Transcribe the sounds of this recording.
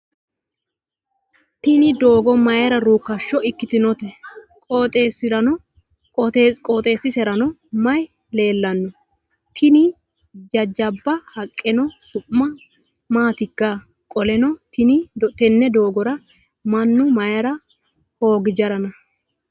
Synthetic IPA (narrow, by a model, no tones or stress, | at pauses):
t̪ɪnɪd̪oːɡɔmɐjɐɾɐɾuːkːɐʃːɔɪkːɪt̪ɪnɔt̪ɛ | kʼɔt̪ʼeːsɪɾɐnɔ | kʼɔt̪eːkʼoːt̪ʼe̞ːsːɪsɛɾɐnɔmɐj | le̞ːlːɐnːɔ | t̪ʰɪnɪ | d͡ʒɐd͡ʒɐbːɐhɐkʼːɛnɔsʊʔːɐ | maːt̪ɪkːa | kʼɔlɛnɔt̪ɪnɪt̪ɛnːɛd̪o̞ːɡɔɾɐ | mɐnːʊmɐjɐɾɐ | ho̞ːɡɪd͡ʒɐɾɐnɐ